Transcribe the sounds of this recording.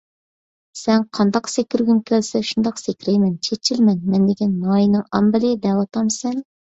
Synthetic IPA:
sɛnqʰɑnd̪ɑqsekʲyɾɡʲymkʲʰælsɛʃund̪ɑqsekʲɾɛjmɛnt͡ʃʰet͡ʃʰilmɛnmɛnd̪ɪkʲinːɑjinɨŋɑmbɪlɪd̪ɛwɑt̪ʰɑmsɛn

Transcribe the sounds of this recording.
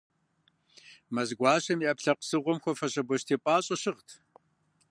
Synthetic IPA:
mɐzɡʷɑːɕɐmiʔɐpɬɐqsɨʁʷɔmxʷɔfɐɕʼɐbʷɔɕtʰeːpʼaːɕʼɐɕɨʁtʰ

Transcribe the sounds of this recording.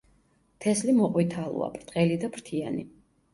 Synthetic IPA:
t̪ʰɛslimɔqʼwit̪ʰalˠṵa̰pʼɾt̪ʼqʼɛlid̪apɾt̪ʰianḭ

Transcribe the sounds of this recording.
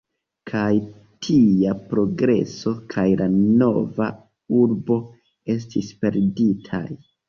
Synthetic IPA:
kʰaj | tʰijapɾo̞ɡɾe̞̰so̞kʰajlano̞va̰ | uɾbo̞ | e̞s̬tispe̞ɾditʰa̰j

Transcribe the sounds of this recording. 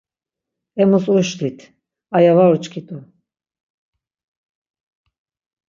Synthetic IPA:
ɛmusuʃlit̪ʰ | ajavaut͡ʃʼkʰit̪ʼu

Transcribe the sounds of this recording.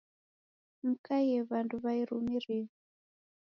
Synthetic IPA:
m̩kajɛβanduβaiɾumiɾiβi

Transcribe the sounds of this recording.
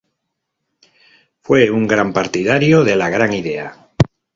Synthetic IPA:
fwe̞uŋɡɾampaɾt̪iðaɾjoð̞e̞laɣ̞ɾaŋiðe̞a

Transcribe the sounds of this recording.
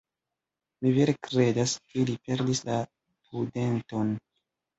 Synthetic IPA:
miveɾekɾe̞daskilipe̞ɾdisla | pude̞nto̞n

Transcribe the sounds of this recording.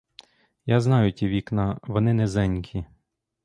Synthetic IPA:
jaznɑjʊtʲiʋʲiknɑʋɔnɪnɛzɛnʲkʲʰi

